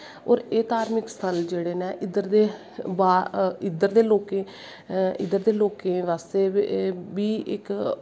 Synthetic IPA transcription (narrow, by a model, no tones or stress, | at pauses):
ɔːɾeːt̪aːɾmɪkst̪ʰəld͡ʒeːɽeːnɛːʔɪd̪əɾd̪eː | baːɪd̪əɾd̪eːloːkẽː | ɪ̰d̪əɾd̪eːloːkẽːʋaːst̪eːbiːɪ̰k